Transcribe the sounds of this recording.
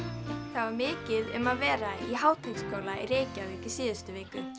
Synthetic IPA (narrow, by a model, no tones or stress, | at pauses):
θaðvaɾmɪːcɪðʏmaðvɛːɾaiɦaːwt̪ʰekskowlaḭɾeːjcavɪcɪsiːðʏst̪ʏvɪːkʏ